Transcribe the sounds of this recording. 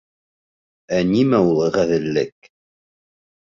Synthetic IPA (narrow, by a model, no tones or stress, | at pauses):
ænimæulˠʁæðɘ̆lːɘk̚